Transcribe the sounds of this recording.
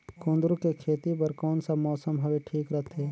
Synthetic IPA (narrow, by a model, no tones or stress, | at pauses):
kõːnd̪ɾukekʰeːt̪ipɐɾkɔːnsamɔːsəmɦɐweʈʰiːkɾət̪ʰeː